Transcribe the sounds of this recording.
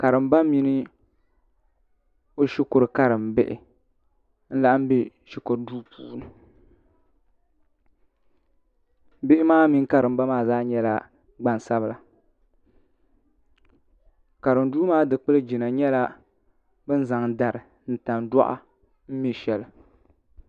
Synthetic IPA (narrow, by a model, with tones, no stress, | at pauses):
ka˨ɾɨ˨m˦ba˦mi˦nɨ˦ | o˦ʃi˦kʊ˨ɾɨ˨ka˦ɾɨ˨mbɪ˦ʔɪ̰˨ | n̩˦la˦ʔm̩˦be˦ | ʃi˦kʊ˨ɾduː˦puː˦˨˦nɨ˨ | bɪ˦ɪ˦maː˦mi˦ŋka˨ɾɨ˨m̩˦ba˦maː˦zaː˦ɲɛ˦la˦ | ɡ͡ba˦n˨sa˦bɨ˦la˨ | ka˨ɾɨ˨mduː˦maː˦dɨ˨k͡pɨ˦lɨ˦d͡ʒi˨na˨ɲɛ˦la˦ | bɨ˦n̩˦za˨ŋda˨ɾɨ˨ | n̩˨ta˨nda̰˦ʔa̰˦ | m̩˦mi˦ʃɛ˦lɨ˨